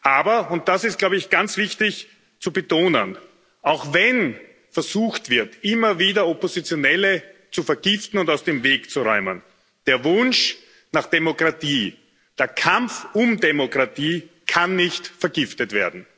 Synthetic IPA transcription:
ʔaːbɐʊnt̚d̥asɪst̚ɡ̥laʊbəɪçɡ̥ant͡sv̥ɪçtɪç | t͡subətoːnən | ʔaʊxvɛn | fɛɐzuːxtv̥ɪɐtʔɪmɐviːdɐopozit͡sjonɛlət͡sufɛɐɡ̥ɪftn̩ʊntaʊsd̥eːmveːkt͡suʁɔʏmən | d̥eːɐvʊnʃ | naχd̥emokʁ̥atiː | d̥eːɐkʰamfʊmdemokʁ̥atiːkʰanːɪçtfɛɐɡɪftətv̥eːɐdn̩

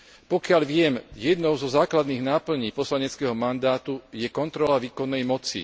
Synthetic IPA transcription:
pɔkɪalʋɪɛmjɛd̪nɔʊzɔzaːklad̪niːɣnaːpl̩ɲiːpɔslaɲɛt͡skɛɦɔmand̪aːt̪ujɛkɔnt̪ɾɔlaʋiːkɔnːɛjmɔt͡sḭ

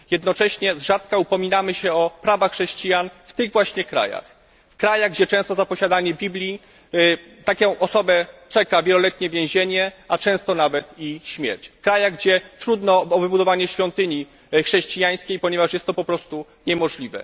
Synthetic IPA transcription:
jɛd̪nɔt͡ʂɛɕɲɛzʐat̪kaupɔmʲinamɘɕɛɔpɾavaxːʂɛɕt͡ɕijanft̪ɘɣvwaɕɲɛkɾa̰ja̰x | fkɾajaɣɡd͡ʑɛt͡ʂɛ̃w̃st̪ɔzapɔɕad̪aɲɛbʲiblʲi | t̪akʲɛ̃w̃ʔɔsɔbɛt͡ʂɛkavʲjɛlɔlɛt̪̚ɲɛvʲjẽw̃ʑeɲɛʔat͡ʂɛ̃w̃st̪ɔnavɛt̪iɕmʲjɛ̰ɾt͡ɕfkɾajaɣɡd͡ʑɛt̪ɾud̪nɔbɘbud̪ɔvaɲɛɕfʲjɔ̃nt̪ɘɲi | xʂɛɕt͡ɕijaj̃skʲejpɔɲɛvaʂjɛst̪ːɔpɔpɾɔst̪u | ɲɛmɔʐlʲivɛ̰

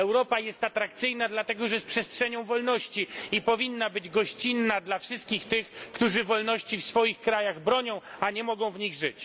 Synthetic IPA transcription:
ɛwɾɔpajɛst̪at̪ɾakt̪sɘjnad̪lat̪ɛɡɔʐɛjɛs̚pʂɛstʂɛɲɔ̃w̃vɔlnɔɕt͡ɕiipɔvʲinːabɘd͡ʑɡɔɕt͡ɕinːad̪lafʂɘst̪̚kʲixt̪ɘxkt̪uʐɘvɔlnɔɕt͡ɕifsfɔjixkɾajaɣbɾɔɲɔ̃w̃aɲɛmɔɡɔ̃w̃vɲiɣʐɘt͡ɕ

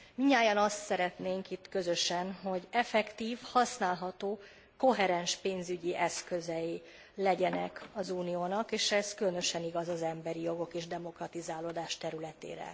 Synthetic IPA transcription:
miɲaːjɒnɒst̪sɛɾɛt̪neːŋkit̪kø̞zø̞ʃɛnɦo̞ɟɛfɛkt̪iːfhɒsnaːlɦɒt̪oː | ko̞ɦɛɾɛnʃpeːnzyɟiʔɛskøzɛji | lɛɟɛnɛkɒzuːnijoːnɒkeːʃɛzkylønø̞ʃɛniɡɒzɒzɛmbɛɾijo̞ɡo̞keːʒd̪ɛmo̞krɒt̪izaːloːd̪aːʃt̪ɛɾylɛt̪ḛːɾɛ̰

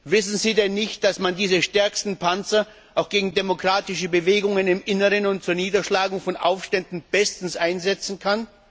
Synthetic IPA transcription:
vɪsn̩ziːdɛnːɪçt̚d̥asmandiːzəʃtɛɐkstn̩pʰant͡sɐ | ʔaʊxɡ̥eːɡŋ̩demokʁ̥aːtɪʃəbəveːɡʊŋənɪmʔɪnəʁənʊntt͡suːɐniːdɐʃlaːɡʊŋfɔnʔa̰ʊfʃtɛndn̩b̥ɛstn̩sʔaɪnzɛt͡sn̩kʰan

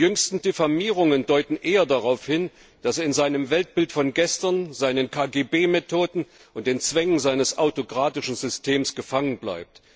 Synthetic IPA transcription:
ijʏŋstn̩defamiːʁ̞ʊŋəndɔʏtn̩ʔeːɐdaʁaʊfhɪn | d̥aseːɐɪnzaɪnəmvɛlt̚b̥ɪltfɔnɡɛstɐnzaɪnənkʰaːɡeːbeːmɛtʰoːdn̩ | ʔʊntd̥eːnt͡sv̥ɛŋənzaɪnəsʔa̰ʊtokʁ̥aːtɪʃn̩zʏstʰeːmsɡ̥əfaŋənbla̰ɪp̚t

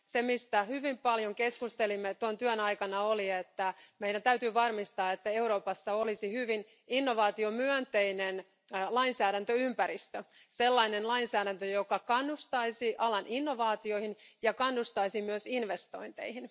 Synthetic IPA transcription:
semist̪æhyʋimpɑljoŋkeskust̪elimːet̪ont̪yœnɑikɑnɑoliet̪ːæmeiɾænt̪æyt̪yːʋɑrmist̪ɑːet̪ːæe̞uɾo̞ːpɑsːɑolisihyʋin | inːo̞ʋɑːt̪io̞myœnt̪einen | lɑinsæːɾænt̪øympæɾist̪ø | selːɑinenlɑinsæːɾænt̪øjokɑkɑnːust̪ɑisiʔɑlɑnʔinːo̞ʋɑːt̪io̞ihinjɑkɑnːust̪ɑisimyøsinʋest̪o̞̰int̪ḛihin

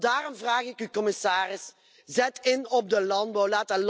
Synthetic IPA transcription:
daːrɔmvraːɣɪkykɔmɪsaːrɪs | zɛtɪnɔb̚dəlɑnd̚bɑwlaːtəl

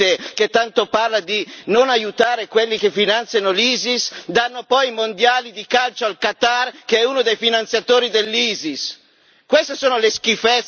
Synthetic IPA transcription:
eket̪ːant̪oparlad̪inonajut̪aːɾekwelːikefːinant̪sjanoliːzisd̪anːopɔjmond̪jaːlid̪ikalt͡ʃoalkat̪arkeɛunod̪ejfinant̪sjat̪oːɾid̪elːiːzis | kwest̪esoːnolesk̟ifɛt

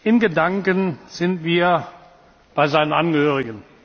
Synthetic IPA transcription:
ʔɪnɡədaŋkənz̥ɪntv̥iːɐ | b̥aɪzaɪnənʔanɡəhøːʁɪɡən

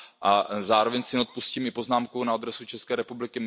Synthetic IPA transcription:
ʔazaːɾo̞vɛɲsɪnɛot̪̚pusciːmɪpo̞znaːmkownaad̪ɾɛsut͡ʃɛskɛːɾɛpublɪkɪm

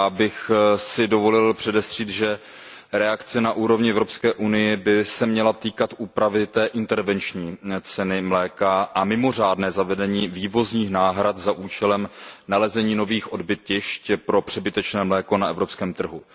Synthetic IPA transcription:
bɪxsɪdo̞vo̞lɪlpr̥ɛdɛst̪r̝̥iːt̪ʒɛ | ɾɛakt͡sɛnaʔuːɾo̞vɲɪɛvɾo̞pskɛːʔunɪjɛbɪsɛmɲɛlat̪iːkat̪ʔuːpɾavɪt̪ɛːʔɪnt̪ɛɾvɛnt͡ʃɲiːt͡sɛnɪmlɛːkaʔamɪmo̞r̝aːdnɛːzavɛdɛɲiːviːvo̞zɲiːxnaːɦɾat̪zaʔuːt͡ʃɛlɛmnalɛzɛɲiːno̞viːxʔodbɪcɪʃcpɾo̞pr̝̥ɛbɪt̪ɛt͡ʃnɛːmlɛːko̞naɛvɾo̞pskɛːmt̪r̩ɦu

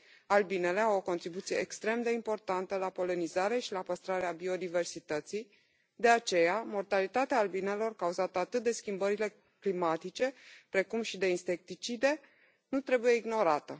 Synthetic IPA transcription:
albine̞le̞awo̞ko̞nt̪ɾibut̪sije̞̰ekst̪ɾe̞md̪e̞impo̞rt̪ant̪əlapo̞lenizaɾe̞ʃilapəst̪ɾaɾeabio̞d̪ive̞rsit̪ət̪sij | d̪e̞at͡ʃe̞jamo̞rt̪alit̪at̪eaːlbine̞lo̞rkauzat̪əat̪ɨt̪̚d̪e̞skʲimbəɾile̞ | klimat̪it͡ʃe̞pɾe̞kumʃid̪e̞inse̞k̚t̪it͡ʃid̪e̞ | nut̪ɾe̞buje̞iɡno̞ɾat̪ə

